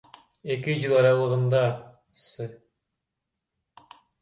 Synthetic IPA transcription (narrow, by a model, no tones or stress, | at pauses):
ekɪʑɯlˠɑɾɑlˠɤ̆ʁɤ̆nd̪ɑ | sɨ